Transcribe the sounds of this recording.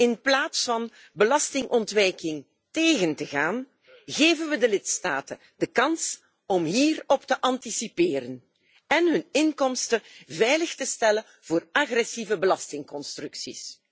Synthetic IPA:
ɪnplaːtsfɑn | bəlɑstɪŋʔɔntʋɛjkɪŋ | teːɣəntəɣaːn | ɣeːvənʋədəlɪtstaːtə | dəkɑns | ɔmɦiːrɔptəʔɑntisipɪːɾən | ɛnɦɵnɪnkɔmstəvɛjləxtəstɛlə | v̥oːraɣrɛsivəbəlɑstɪŋkɔnstrɵksis

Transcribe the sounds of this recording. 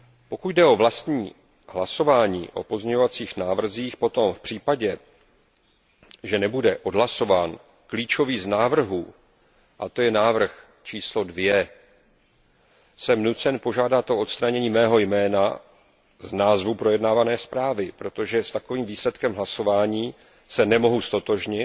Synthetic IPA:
po̞kuɟdɛʔo̞vlast̪ɲiː | ɦlaso̞vaːɲḭːʔo̞̰po̞zmɲɛɲovat͡siːxnaːvr̩ziːxpo̞t̪o̞mfpr̥iːpaɟɛ | ʒɛnɛbudɛʔo̞dɦlaso̞vaːn | kliːt͡ʃo̞viːznaːvr̩ɦuː | ʔat̪o̞jɛnaːvr̩x | t͡ʃiːslo̞dvjɛ | sɛmnut͡sɛnpo̞ʒaːdat̪ʔo̞ʔot̪st̪ɾaɲɛɲiːmɛːɦo̞jmɛːna | znaːzvupɾo̞jɛdnaːvanɛːspɾaːvɪpɾo̞t̪o̞ʒɛst̪ako̞viːmviːslɛt̪kɛmɦlaso̞vaːɲiː | sɛnɛmo̞ɦust̪o̞t̪o̞ʒɲɪt̪

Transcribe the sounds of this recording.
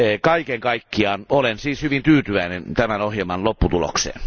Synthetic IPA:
kɑikeŋkɑikːiɑːnolensiːshyʋint̪yːt̪yʋæinent̪æmænohjelmɑnlopːut̪ulo̰ksḛːn

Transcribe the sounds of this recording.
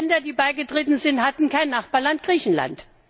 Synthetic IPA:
ndɐdiːbaɪɡətʁ̥eːtn̩zɪnthatn̩kaɪnːaχb̥aɐlant̚ɡ̥ʁiːçn̩la̰nt

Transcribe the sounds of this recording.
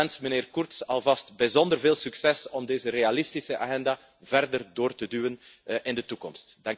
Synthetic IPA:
ɛnsmənɪːrkʊrtsɑlˠvɑstbəzɔndərveːlˠsyksɛsɔmdeːzərealɪstisəʔa̰ɣɛnda | vɛrdərdoːrtədyːwən | ʔɪndətukɔmstd̥ɑŋ

